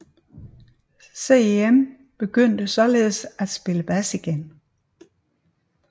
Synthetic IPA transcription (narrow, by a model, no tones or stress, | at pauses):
seem | b̥e̝ɡ̥øn̰d̥əsɒ̽le̝ːð̩ˠsæd̥sb̥e̝ləb̥æsiɡ̥en